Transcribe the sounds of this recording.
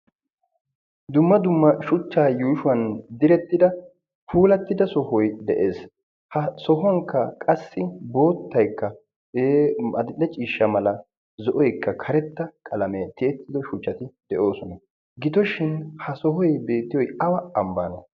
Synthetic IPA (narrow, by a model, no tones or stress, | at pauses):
d̪ʊmːɐd̪ʊmːɐʃʊt͡ʃːaːjuːʃʊwɐnd̪ɪɾɛt̪ːɪd̪ɐ | pʰuːlɐt̪ːɪd̪ɐsɔhɔjd̪ɛʔe̞ːs | hɐsɔɦɔŋkːɐkʼɐsːɪbo̞ːt̪ːɐjkːɐ | emɐd̪ɪlːɛt͡ʃʼiːʃːɐmɐlɐ | zɔʔɔjkːɐkʰɐɾɛt̪ːɐkʼɐlɐmɛt̪ɪɛt̪ːɪd̪ɔʃʊt͡ʃːɐt̪ɪd̪̥ɛʔo̞ːsɔnɐ | ɡɪd̪ɔʃɪnhɐsɔɦɔjbe̞ːt̪ːɪjɔjɐwɐɐmba̰ːnɐ